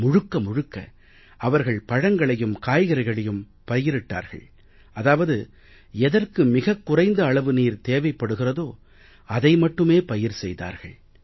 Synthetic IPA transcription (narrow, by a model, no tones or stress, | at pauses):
mʊɻɯkːɐmʊɻɯkːɐ̰ | ʔɐʋɐɾɣɐɭpɐɻɐŋɡɐɭɐjɯmkaːjɣɐɾɐɪɣɐɭɐjɯm | pɐjɪɾɪʈːa̰ːɾɣɐ̰ɭ | ʔɐðaːʋɐðɯ | ɛðɐrkɯmɪɣɐkːʊrɐɪnd̪ɐːɭɐʋɯniːɾt̪eːʋɐɪpːɐɽɯɣɪrɐðoː | ɐðɐɪmɐʈːɯmeːpɐjɪɾsɛjða̰ːɾɣɐ̰ɭ